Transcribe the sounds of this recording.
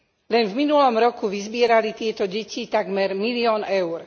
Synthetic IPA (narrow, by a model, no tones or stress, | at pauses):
lɛnvminulɔmɾɔkuʋizbɪɛɾalit̪ɪɛt̪ɔɟɛcit̪aɡmɛɾmiliɔːnɛʊɾ